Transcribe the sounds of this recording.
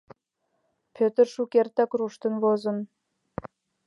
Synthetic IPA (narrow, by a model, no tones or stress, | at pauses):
pʰʲøt̪ərʃukert̪ɑkruʃt̪ə̆nβozə̆n